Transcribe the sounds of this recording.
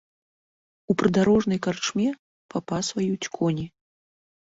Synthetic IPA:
upɾɨd̪aɾɔʐnɐjkart͡ʂmʲɛ | papasvajut͡sʲkʰɔnʲi

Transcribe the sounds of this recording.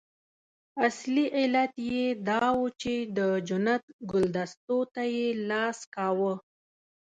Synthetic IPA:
asliʔɪlat̪jed̪ɑwut͡ʃed̪əd͡ʒʊnat̪̚ɡʊld̪ast̪ot̪ajelɑskɑwə

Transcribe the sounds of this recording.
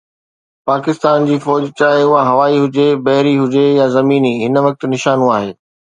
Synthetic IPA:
paːkɪst̪aːnd͡ʑiːfɔːd͡ʑt͡ɕaːɦeʊɦaɦɐʋaːiɦʊd͡ʑebɐɦɪɾiɦʊd͡ʑejazɐmiːniːɦɪnʋɐk̚t̪nɪʃaːnũaːɦeː

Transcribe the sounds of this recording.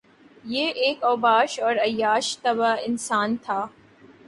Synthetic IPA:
jeːʔeːkɔːbaːʃɔːɾɐjːaːʃt̪ɐbaɪnsaːnt̪ʰaː

